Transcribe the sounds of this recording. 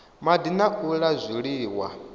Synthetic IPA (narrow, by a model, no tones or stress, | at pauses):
madinaʔuɺazʷiɺiːwa̰